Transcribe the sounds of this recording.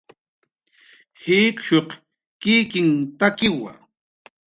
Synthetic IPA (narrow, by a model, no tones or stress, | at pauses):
hɪkʃoq | kɪkɪŋt̪akɪwa̰